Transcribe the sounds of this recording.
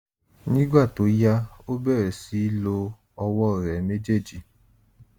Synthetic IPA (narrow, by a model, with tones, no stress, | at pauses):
nĩ˦ɡ͡ba˦˨to˨˦ja˦o˦bɛ˦˨ɾɛ˨si˨˦lo˧ | ɔ˧wɔ˦˨ɾɛ˨˦ne˦d͡ʒe˦˨d͡ʒi˨